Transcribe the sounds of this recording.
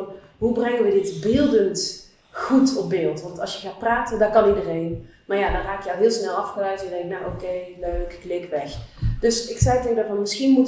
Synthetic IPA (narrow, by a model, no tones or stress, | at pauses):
n | ɦubrɛŋənʋədɪtbɪːlˠdənt | ɣutɔp̚bɪːlˠtʋɑntɑlˠsjəɣaːt̚praːtəndɔkɑnidərejn | maːɹjadɑnraːkjəɔlˠɦɪːlˠsnɛlˠɑfxəlœɥtjədɛŋknawʔokejløɥkklɪkʋɛxd̥ɵsɪksɛjteɣdaɑnmɪsxinmut